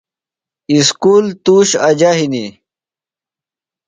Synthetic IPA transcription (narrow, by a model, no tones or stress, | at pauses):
iskuːlt̪uːɕɐd͡ʑaɦini